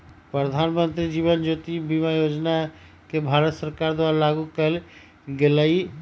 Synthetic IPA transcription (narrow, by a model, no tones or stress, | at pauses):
pɾəd̪ʱaːnmə̃nt̪ɾid͡ʒiːʋənd͡ʒoːt̪ibimajoːd͡ʒna | kebʱaːɾət̪səɾkaːɾd̪waːɾalaːɡukəl | ɡelaːi